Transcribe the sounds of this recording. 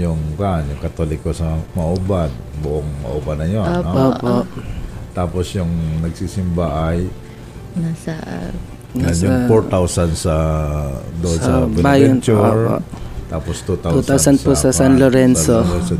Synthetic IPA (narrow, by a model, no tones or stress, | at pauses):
jʊŋkanjʊŋkɐt̪oːlɪkːosɐmɐʔubanbʊʔoŋmɐ̰ʔubanːɐjonnoopoʔt̪aːposjʊŋnɐɡsiːsɪmbaʔaj | nas | najʊŋfoɹt̪awsansɐ | d̪oʔonsɐpɛbajɛont͡ʃuoɹo̰t̪aːpost̪ut̪aut̪awsɐnposɐsanloɾɛnsosɐ